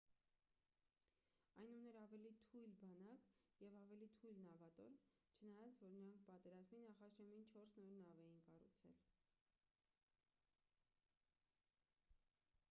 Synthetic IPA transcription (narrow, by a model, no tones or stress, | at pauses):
ɑjnunɛɾɑvɛlit̪ʰujlbɑnɑkjɛvɑvɛlit̪ʰujlnɑvɑt̪ɔ̰ɾt͡ʃʰənɑjɑt͡svɔɾnəɾɑŋkʰpɑt̪ɛɾɑzminɑχɑʃɛmint͡ʃʰɔɾsnɔɾnɑvɛjinkɑrut͡sʰɛ̰l